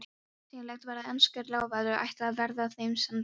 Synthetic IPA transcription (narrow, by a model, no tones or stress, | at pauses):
silɛjxt̪vɛːɾaðɛnskʏɾlaːwvaðɾʏʔa̰jht̪aðvɛɾðaθejmsɛm